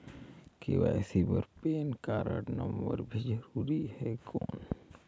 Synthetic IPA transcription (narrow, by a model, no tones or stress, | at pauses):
keʋasibəɾpeːnkaːɾə̰ʈnɐmbəɾbʱid͡ʒəɾuːɾiɦɛːkoːn